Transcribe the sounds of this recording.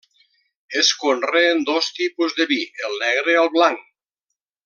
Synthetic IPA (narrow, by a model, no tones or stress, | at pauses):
eskonreːnd̪ost̪ipuzðeβielˠnɛɣɾealˠβlaŋ